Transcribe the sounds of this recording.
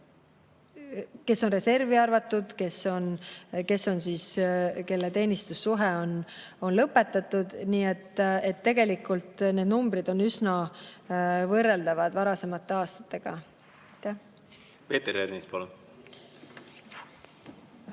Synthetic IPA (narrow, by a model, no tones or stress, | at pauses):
ke̞sːo̞nre̞se̞rviɑrvɑt̪ːˑud̪̥ke̞sːo̞nke̞sːo̞nsiːske̞lːet̪e̞ːnist̪usːuɦɛo̞n | o̞nlɤpːe̞t̪ːˑɑt̪ːud̪niːet̪ːe̞t̪ːe̞ɡe̞likːˑult̪ne̞ːd̪numbɾid̪̥o̞nysnɑ | vɤrːeld̪̥ɑvɑd̪vɑɾɑse̞mɑt̪ːˑe̞ɑːst̪ɑ̥t̪ːˑe̞ɡ̥ɑ | ɑjt̪ːæh | pe̞ːt̪eɾeɾnispɑlun